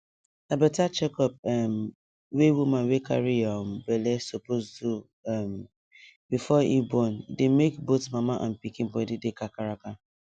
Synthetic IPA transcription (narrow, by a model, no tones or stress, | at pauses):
dabɛtat͡ʃɛkɔp̚ɛm | wewumãnweka̰ɾijɔmbɛlesopoztu | m | bifɔḭbɔndemekbotmamaʔã̰npikĩnbɔdidekakaɾaka